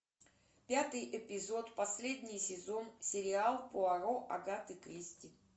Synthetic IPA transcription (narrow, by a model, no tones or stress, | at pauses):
pʲat̪ɨjʔɪpʲɪzo̞t̪pɐsʲlʲed̪ʲnʲɪjsʲɪzo̞nsʲɪɾʲɪalˠpoɐɾoʔɐɡat̪ɨkɾʲisʲtʲɪ